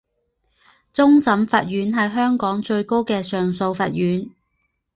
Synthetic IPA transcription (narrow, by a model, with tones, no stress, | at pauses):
t͡sʊ˥ŋsɐ˨˥mfaː˨t̚ɥyː˨˥nɦɐ˨jɦœː˥ŋkɔː˨˥ŋt͡ʃɵ˧ɥko˥wkɛː˧sœː˨ŋso˧wfɐ̰ː˨t̚ɥyː˨˥n